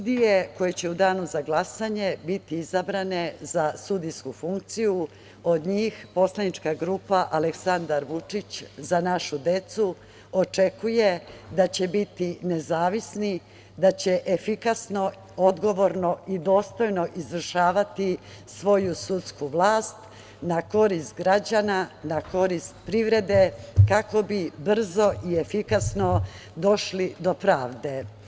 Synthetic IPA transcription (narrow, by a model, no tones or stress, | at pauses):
ud̪ijeko̞jet͡ɕe̞ud̪aːnuzaɡlˠasaɲe̞bit̪iizabɾane̞zasud̪ijskufuŋk̚t̪siju | o̞d̪ɲiːxpo̞slˠanit͡ʂkaɡɾuːpaʔaleksand̪aɾʋut͡ʂit͡ɕzanaʃud̪e̞t̪su | o̞t͡ʂe̞kujed̪at͡ɕe̞bit̪ine̞zaːʋisni | d̪at͡ɕeʔefikasno̞ | o̞d̪ɡo̞ʋo̞ɾno̞id̪o̞ːst̪o̞jno̞ʔizʋr̩ʃaːʋat̪i | sʋo̞jusut̪skuʋlˠaːst̪ | nako̞ɾist̪ɡɾad͡ʑananako̞ɾist̪̚pɾiʋɾe̞d̪e̞kako̞bibr̩zo̞ʔiefikasno̞ | d̪o̞ʃlid̪o̞pɾaːʋd̪e̞